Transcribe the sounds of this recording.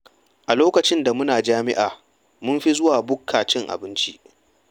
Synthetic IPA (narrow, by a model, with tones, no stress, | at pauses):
ʔa˨loː˦kɐ˨t͡ʃɪ˦nda˨mʊ˦naː˨d͡ʒaː˦mɪ˦ʔaː˨ | mʊ˦mɸi˦zʊ˦waː˨bʊ˦kʰːaː˨t͡ʃɪ˦ŋʔa̰˨bɪ˦nt͡ʃḭ˦ʔ